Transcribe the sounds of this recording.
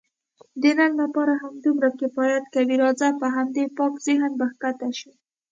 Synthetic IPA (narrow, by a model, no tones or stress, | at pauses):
d̪ənanlapɑɾaɦamd̪umɾakebɑjad̪kabiɾɑzapəɦamd̪epɑkz̥ɪɦnbaxkat̪aʃi